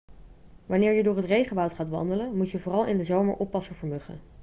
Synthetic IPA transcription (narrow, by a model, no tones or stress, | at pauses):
ʋɑnɪːɹjədʊːɹɦətrejχəʋʌwtχaːtʋɑ̰ndələmucjəvʊːrɑlˠɪndəzowmə̰ɹʔɔpːɑsəɹvəɹmɵχə̰n